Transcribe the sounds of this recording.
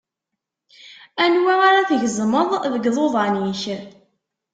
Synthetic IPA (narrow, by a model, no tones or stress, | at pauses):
ænwiaɾaθəʝzˤməðˤðəɡðˤoðˤɑniç